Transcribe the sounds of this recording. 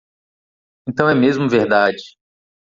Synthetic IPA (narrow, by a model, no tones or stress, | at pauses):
ẽnt̪ɐ̃w̃ɛmezmʊveɾd̪ad͡ʒɪ